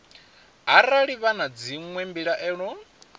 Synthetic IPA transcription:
ɦaɾaɺiβanad͡ziŋwɛmbiɺaʔɛːɺɔ

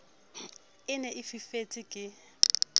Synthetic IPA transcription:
ɪnɛʔɪfifet͡sʼɪkʼɪ

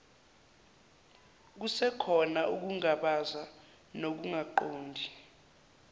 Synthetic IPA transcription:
k̬usɛkʰɔnaʔuk̬uŋaɓaza | nok̬uŋaǃoːndʱi

